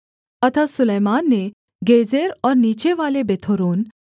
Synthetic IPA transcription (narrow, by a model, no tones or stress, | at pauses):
ət̪ʰasuləjmanːe | ɡed͡zeɾɔɾnit͡ɕeʋalebet̪ʰoɾoːn